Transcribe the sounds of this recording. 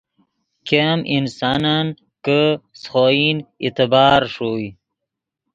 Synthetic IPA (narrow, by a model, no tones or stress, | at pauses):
kemʔinsɑnan | kəsχoinḭt̪ɪbɑːɾʂoj